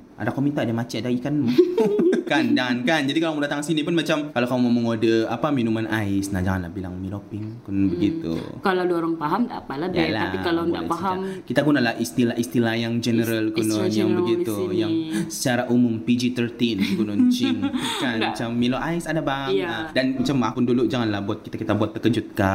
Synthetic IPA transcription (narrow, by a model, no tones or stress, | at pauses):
ʔa̰dakomint̪adamat͡ʃiadaikanmu | kand͡ʒaŋankand͡ʒadikalamudat̪aŋsinipʊnmat͡ʃamkalakamumaməŋodəapaminumanʔaɪsna̰d͡ʒaŋanla̰bila̰ŋmilopɪŋkunnbəɡit̪ṵkaladoɾaŋpaɦamda̰palabjalaa̰ikalanda̰aipaɦamkit̪aɡunalahist̪ilaʔist̪ilajaŋd͡ʒənəɾalkunɔnjaŋbəɡit̪ujaŋsə̥t͡ʃaɾaʔumʊmpid͡ʒit̪ərt̪inkunʊnt͡ʃinkanmat͡ʃamːiloʔaisadabaadanmat͡ʃamːapʊnduluʔd͡ʒaŋanlahbuat̪̚kit̪akit̪abuat̪ːəkəd͡ʒʊt̪̚ka